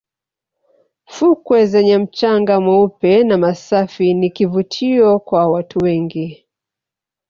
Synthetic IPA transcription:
fukwɛzɛɲɛm̩t͡ʃaŋɡamwaupɛnamasafinikivutʰiɔkwawatʰuwɛŋɡi

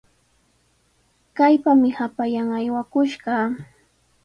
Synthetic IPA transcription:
kajpamɪhapajaŋajwakʊʃɢɑ

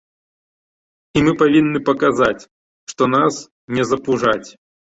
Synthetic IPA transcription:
imɨpavʲinːɨpɐkazat͡sʲ | ʂt̪ɔnas | nʲɛzɐpuʐat͡sʲ

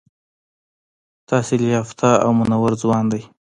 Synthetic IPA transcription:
t̪ɑselijɑft̪aa̰wmʊnawaɾzwɑnd̪aj

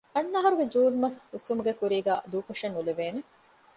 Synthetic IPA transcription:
ɐnːaːɦɐɾuɡed͡ʒuːɖmɐsusumuɡekuɾiːɡæːd̪uːkoʂɐnːuleʋeːne

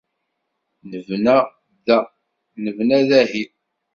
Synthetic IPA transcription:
nəvnæ | ðæ | nəvnæðæhiθ

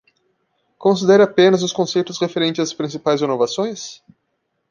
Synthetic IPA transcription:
kõsid̪ɛɾɐapẽnɐzʊskõsejt̪ʊsʁefeɾẽnt͡ʃɪzaspɾĩsipajzenovasõj̃s

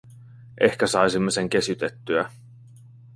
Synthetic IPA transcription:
ʔe̞hkæsɑjsimːe̞se̞ŋk̟e̞syt̪e̞t̪ːyæ

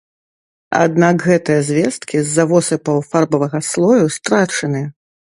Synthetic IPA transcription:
a̰d̪nakɣɛt̪ɨjɐzʲvʲɛst̪̚kʲizːavɔsɨpɐwfarbɐvɐɣɐslˠɔjust̪ɾat͡ʂɐnɨ

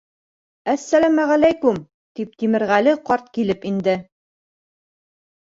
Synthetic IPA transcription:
æsːælæmæʁælæjkʉm | t̪ip̚t̪imɘ̆ɾʁælɘqɒɾt̪̚kilɘpind̪ɘ

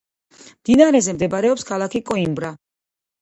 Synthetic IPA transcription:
md̪̥inaɾɛzɛmd̪ɛbaɾɛɔpskʰalˠakʰikʼɔimbɾa

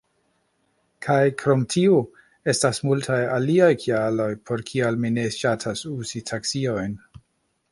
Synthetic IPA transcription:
kʰajkʰɾo̞mtʰio | e̞stasmultʰajaliajkʰialo̞jpʰo̞ɾkʰialmine̞ʃatʰasuzitʰaksio̞jn

